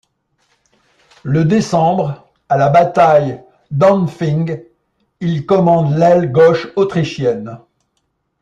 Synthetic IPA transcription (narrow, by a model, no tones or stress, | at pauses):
ləd̪esɑ̃bʁ | alabat̪aj | d̪ɑ̃nfĩŋɡ | ilkɔmɑ̃d̪lɛlɡɔʃot̪χiʃjɛn